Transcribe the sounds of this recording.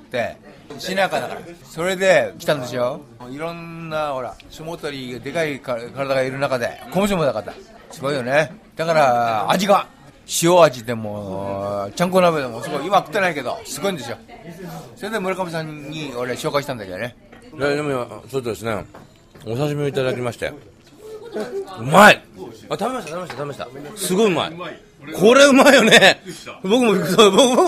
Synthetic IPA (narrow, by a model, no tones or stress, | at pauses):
t̪ːe̞ | ɕinakad̪aka̰ɾa̰so̞ɾe̞d̪e̞kʲi̥t̪ãnd̪e̞sjoiɾõnːaho̞ɾa̰somot̪oɾʲiɡad̪e̞kaikkaɾad̪aɡaiɾɯ̟nakad̪e̞̰komoɕ̬omod̪akat̪ːa̰ | sɨɡo̞ijoned̪̥akaɾa̰ːd͡ʑiɡa | ɕioad͡ʑid̪e̞mo | t͡ɕãŋkonabed̪emo̞sɨɡo̞iimakɯ̥t̪ːe̞naike̞d̪o̞̰sɨɡo̞ĩnd̪e̞sjo̞ | so̞ɾed̪e̞mɯ̟ɾakamis̬ãɲːio̞ɾeɕo̞ːkaiɕit̪ãnd̪aked̪ne̞ | ed̪e̞moasot̪od̪e̞sɨnḛ | osas̬imʲio̞it̪ad̪akʲimaɕi̥t̪e̞̰ | ɯ̟maiat̪abe̞maɕit̪at̪amemaɕtat̪amemaɕt̪a̰sɨɡo̞iɯ̟ma̰ḭ | kʰo̞ɾeɯ̟maejonebo̞kɯ̟moikɯsobokɯmo